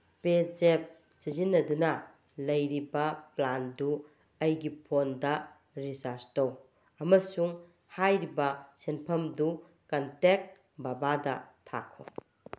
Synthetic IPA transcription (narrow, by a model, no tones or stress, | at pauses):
ped͡ʒep̚ | sizinːɐdunɐ | lɐjɾibɐplandu | ɐjɡipʰondɐ | ɾisaɾstow | ɐmɐsuŋ | hajɾibɐsenpʰɐmdu | kɐntek̚ | babadɐtʰa̰kʰːo